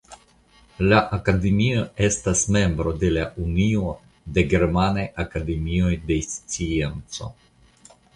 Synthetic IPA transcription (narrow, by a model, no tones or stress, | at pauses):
laʔakade̞mio̞e̞stasme̞mbɾo̞de̞laʔunio̞ | de̞ɡe̞ɾmanajakade̞mio̞jde̞st͡sient͡so̞̰